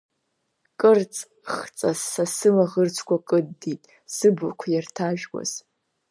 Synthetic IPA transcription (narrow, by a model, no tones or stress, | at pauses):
kʼɨrt͡sʼ | χt͡sʼaasɨmaʁərt͡sʷʰkʷʰakʼɨdːitʼ | sɨbɨkʷʰajartʰaʒᶣɡʷa̰z̥